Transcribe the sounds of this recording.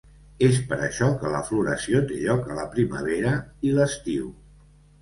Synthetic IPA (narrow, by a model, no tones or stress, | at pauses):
espəɾəʃɔkələ̰fluɾəsiot̪eʎɔkələpɾimə̰βeɾəiləst̪iw